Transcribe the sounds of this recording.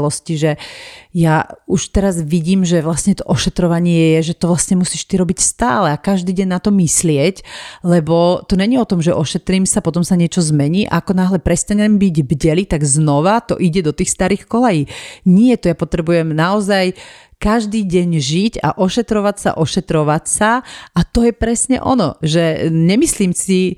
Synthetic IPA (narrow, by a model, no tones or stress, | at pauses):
lɔsciʒɛjauʃt̪ɛɾazʋiɟiːmʒɛʋlasɲɛt̪ɔʔɔʃɛt̪ɾɔʋaɲɪɛjɛʒɛt̪ɔʋlasɲɛmusiːʃt̪iɾɔbicst̪a̰ːlɛakaʒd̪iːɟɛɲnat̪ɔmislɪɛclɛbɔt̪ɔɲɛɲiɔt̪ɔmʒɛʔɔʃɛt̪ɾiːmsapɔt̪ɔmsaɲɪɛt͡ʃɔzmɛɲiːʔakɔnaːɦlɛpɾɛst̪aɲɛmbiɟbɟɛlit̪aɡznɔʋat̪ɔ̰ʔiɟɛd̪ɔt̪iːxst̪aɾiːxkɔlajiːɲɪɛt̪ɔjapɔt̪ɾɛbujɛmnaɔzaj | kaʒd̪iːɟɛɲʒica̰ʔɔʃɛt̪ɾɔʋacsa̰ʔɔʃɛt̪ɾɔʋacsaat̪ɔjɛpɾɛsɲɛ̰ʔɔ̰nɔ̰ʒɛɲɛmisliːmsi